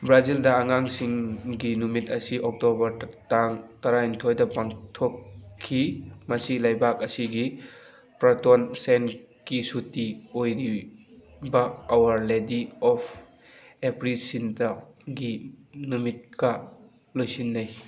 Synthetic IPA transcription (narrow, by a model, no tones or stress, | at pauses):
bɾazildɐːŋaŋsiŋɡinumitɐsiʔɔk̚tobɐɾtaŋtɐɾaintʰojdɐpaŋtʰokʰːimɐsilajbak̚ɐsiɡi | pɾatonsen | kisutiojɾi | bɐːwaɾlediɔpʰ | epɾisintɐɡinumit̚kɐ | lojsinːaj